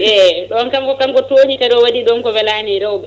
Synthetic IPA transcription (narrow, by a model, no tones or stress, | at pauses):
ʔɛɗɔnkamkɔkamkɔtoːhikaɗɔwaɗiɗɔnkɔwɛlaːniɾɛwbɛ